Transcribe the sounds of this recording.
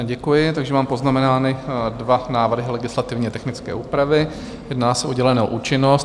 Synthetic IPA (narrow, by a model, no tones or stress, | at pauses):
ɟɛkujɪt̪aɡʒɛmaːmpo̞znamɛnaːnɪdvanaːvr̩ɦɪlɛɡɪslat̪ɪvɲɛt̪ɛxnɪt͡skɛ̰ːʔuːpɾavɪ | jɛdnaːsɛʔoɟɛlɛnɛːʔuːt͡ʃɪnos